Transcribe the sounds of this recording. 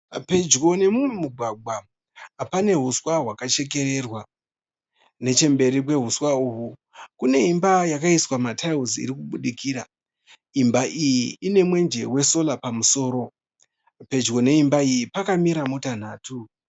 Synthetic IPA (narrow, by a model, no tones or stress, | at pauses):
pe̞d͡ʒɡo̞ne̞muumuɡʱaɡwa | apane̞ɦuswaɦwakat͡ʃe̞k̬e̞re̞rwa | ne̞t͡ʃe̞mbe̞ɾipwe̞ɦuswauɦu | kune̞imbajakaiswamatʰauziḭɾikuɓuɗikiːɾa | imbaʔijiːne̞mwe̞nd͡ʒe̞we̞so̞lapamuso̞ːɾo̞ | pe̞d͡ʒɡo̞ne̞imbaijipakamiɾamutan̤aːtʰu